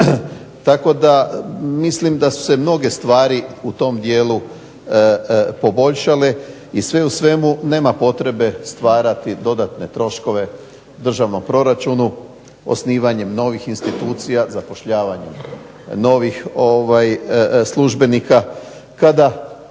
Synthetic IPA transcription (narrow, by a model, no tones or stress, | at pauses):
t̪ako̞d̪amislimd̪asu̥se̞mno̞ɡe̞st̪ʋaːɾiut̪o̞md̪je̞ːlu | po̞bo̞ʎʃale̞ | isʋe̞usʋe̞mune̞ːmapo̞t̪ɾe̞be̞st̪ʋaːɾat̪id̪o̞d̪at̪ne̞t̪ɾo̞ʃko̞ʋe̞ | d̪r̩ʒaʋno̞mpɾo̞ɾat͡ʃunu | o̰sniːʋaɲe̞mno̞ʋixinst̪it̪uːt̪sijazapo̞ʃʎaːʋaɲe̞m | no̞ːʋixo̞ʋajslˠuʒbe̞nika | kad̪a